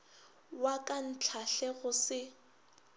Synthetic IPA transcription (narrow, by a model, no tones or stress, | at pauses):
wakʼan̩t͡ɬʰaɬɛɣʊsɪ